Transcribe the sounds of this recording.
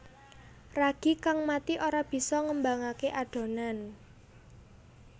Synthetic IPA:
raɡ̥i̤kaŋmat̪iʔoɾab̥i̤sɔŋəmbaŋakeʔaɖ̥o̤nan

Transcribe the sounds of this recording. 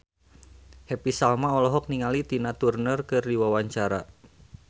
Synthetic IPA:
hepisalmaɔlɔɦɔk̚niŋalit̪inat̪urnərkɨrdiwawaɲt͡ʃaɾa̰

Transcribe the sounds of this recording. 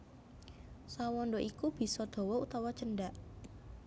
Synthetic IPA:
sawɔnɖoʔikub̥i̤sɔd̪̥o̤wɔut̪awat͡ʃənɖaʔ

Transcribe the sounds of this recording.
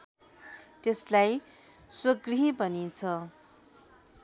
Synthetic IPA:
t̪eslaj | swʌɡriɦibʌnint͡sʰʌ

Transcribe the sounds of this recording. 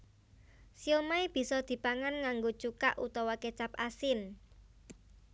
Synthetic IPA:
siomaib̥i̤sɔd̪̥i̤paŋanŋaŋɡot͡ʃuka̰ʔut̪ɔwɔket͡ʃapasɪn

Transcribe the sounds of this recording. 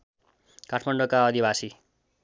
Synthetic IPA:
kaʈʰmaɳɖokaʌd̪ibasi

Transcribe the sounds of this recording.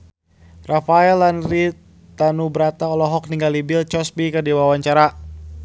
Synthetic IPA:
rafaɛlanri | t̪anubəɾat̪aɔlɔɦɔk̚niŋɡalibɪlt͡ʃɔsbikədiwawaɲt͡ʃaɾa

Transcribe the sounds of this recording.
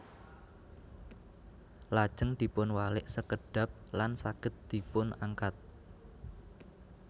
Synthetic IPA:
lad̥ʒ̥ə̤ŋd̪̥i̤pʊnwalɪʔsəkəɖ̥a̤p̚lansakɪt̪̚d̪̥i̤pʊnaŋkat̪̚

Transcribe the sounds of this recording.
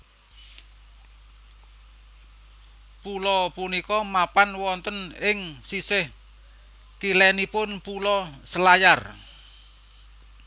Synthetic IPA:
pulɔpunikɔmapanwɔnt̪ənɪŋsisɪh | k̪ilɛnipʊnpulɔsəlajar

